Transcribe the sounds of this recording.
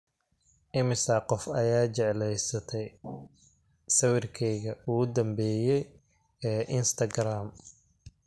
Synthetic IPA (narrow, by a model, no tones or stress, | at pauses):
ʔɪmɪsɐqɔfɐjaːt͡ʃɛʕlɛjsɐt̪ʰɛj | sɐwɪrkʰɛjɣɐʊʊd̪ɐmbɛːjɛj | ɛːʔɪnst̪ʰɐɡɾaːm